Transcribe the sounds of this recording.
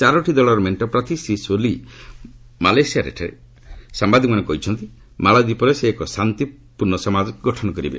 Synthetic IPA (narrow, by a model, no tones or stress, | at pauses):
t͡ʃaɾɔʈʰid̪ɔɭɔɾmeɳʈɔpɾɔt̪isisoli | malajsijaɾḛʈʰe | sambad̪ʱikmanɔkɔɦit͡ʃʰɔnt̪i | malad̪ipɔɾeseːkɔsant̪i | puɾɳɔsɔmad͡ʒɔɡɔʈʰɔnɔkɔɾibḛ